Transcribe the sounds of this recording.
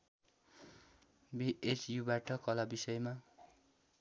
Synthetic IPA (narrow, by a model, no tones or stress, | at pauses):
biʔet͡sjubaʈʰʌkʌlabisʌjma